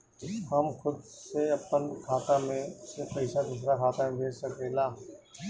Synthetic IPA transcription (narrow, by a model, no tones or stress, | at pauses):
həmxʰʊd̪seɐpːənkʰaːt̪amẽsepɐɪsad̪uːs̬ɾakʰaːt̪amẽbʱeːd͡ʒsəkeːlaː